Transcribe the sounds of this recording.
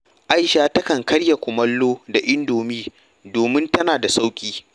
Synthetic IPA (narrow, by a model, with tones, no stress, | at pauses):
ʔa˦jʃaː˦tɐ˦kɐ˨ŋkɐ˦ɽja˨kʷʊ˨mɐ˦lːoː˦da˨ʔɪ˦ndoː˨miː˦ | doː˨mɪ˦ntɐ˦naː˨da˨sa˦wkʲʼiː˦